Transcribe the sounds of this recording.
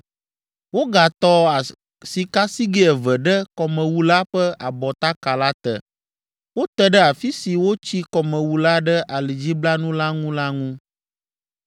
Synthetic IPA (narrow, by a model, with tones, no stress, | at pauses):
wo˦ɡa˨t̪ɔ˦a˨ | si˨ka˦si˦ɡe˦ɛ˨vɛ˨ɖɛ˦kɔ˨mə̃˨wu˨la˦ɸɛ˦a˨bɔ˨t̪a˦ka˨la˦t̪ɛ̰˨ | wo˦t̪ɛ˦ɖɛ˦a˨fi˦si˨wo˦t͡ɕi˦kɔ˨mɛ̃˨wu˨la˦ɖɛ˦ʔa˨li˨d͡ʑi˦bla˦nũ˦la˦ŋũ˦la˦ŋũ˦